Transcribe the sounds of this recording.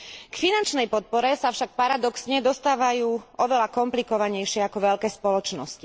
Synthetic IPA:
kfinant͡ʃnɛjpɔt̪̚pɔɾɛsafʃak̚paɾad̪ɔksɲɛd̪ɔst̪aːʋajuːɔʋɛlakɔmplikɔʋaɲɛjʃɪɛakɔʋɛʎkɛːspɔlɔt͡ʃnɔsci̥

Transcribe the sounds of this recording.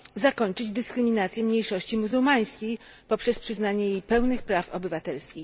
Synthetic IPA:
zakɔɲt͡ʂɘd͡ʑd̪ɘskɾɘmʲinat̪sʲjɛmɲejʂɔɕt͡ɕimuzuwmaj̃skʲej | pɔpʂɛspʂɘznaɲɛjejpɛwnɘxpɾafɔ̰bɘvat̪ɛlskʲi

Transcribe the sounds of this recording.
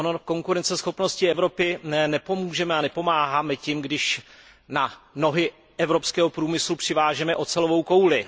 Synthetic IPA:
onoko̞ŋkuɾɛnt͡sɛsxo̞pno̞scɪɛvɾo̞pɪnnɛpo̞muːʒɛmɛanɛpo̞maːɦaːmɛcimɡdɪʃ | nano̞ɦɪ | ɛvɾo̞pskɛːɦopɾuːmɪslupr̥ɪvaːʒɛmɛʔo̞t͡sɛlovo̞wko̞wlɪ

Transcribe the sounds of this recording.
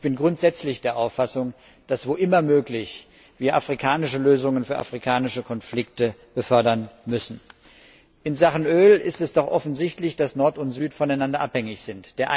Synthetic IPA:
ɪb̥ɪnɡʁʊntz̥ɛt͡slɪçd̥eːɐʔaʊfasʊŋ | d̥asv̥oːʔɪmɐmøːklɪç | v̥iːɐʔafʁ̥ikʰaːnɪʃəløːzʊŋənfyːɐʔa̰fʁ̥ikʰaːnɪʃəkʰɔnflɪktəb̥əfœɐdɐnmʏsn̩ | ʔɪnzaχn̩ʔøːlɪstɛsd̥ɔχʔɔfn̩zɪçtlɪçd̥asnɔɐtʊntz̥yːtfɔnaɪnandɐʔaphɛŋɪçz̥ɪntd̥eːɐʔa

